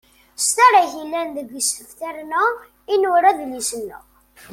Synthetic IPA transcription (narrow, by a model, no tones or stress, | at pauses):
st̪aɾaçilːænðəɡsəfθæɾnæ | inʊɾæðlisənːə̰